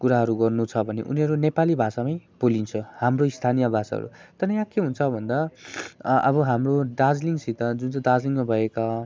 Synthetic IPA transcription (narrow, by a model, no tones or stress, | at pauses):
kuɾaɦʌɾuɡʌrnut͡sʰʌbʱʌnḛʔṵniɦʌɾunepalibʱasamajb̥olint͡sʰʌhamroist̪ʰanijʌbʱasa̰ɦʌ̰ɾṵt̪ʌnʌjãkeɦunt͡sʰʌbʱʌnd̪a | ʌ̰bʌɦamroɖad͡zliŋsit̪ʌd͡zunt͡sdad͡zliŋmabʱʌeka